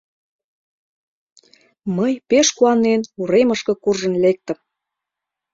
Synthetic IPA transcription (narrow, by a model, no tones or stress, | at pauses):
məjpeʃkuɑnenuɾeməʃkɤ̆kurʒə̆nlek̚t̪ə̆m